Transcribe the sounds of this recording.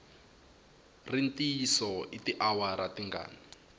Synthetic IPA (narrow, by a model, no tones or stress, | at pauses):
rintiːsɔitiʔawaɾatiŋɡa̰ːni